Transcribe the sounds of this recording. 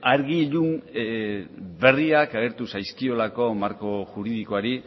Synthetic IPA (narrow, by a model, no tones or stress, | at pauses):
aɾɣiʎun | be̞riakaɣ̞e̞ɾt̪usajskio̞lako̞maɾko̞ʝuɾiðikoaɾi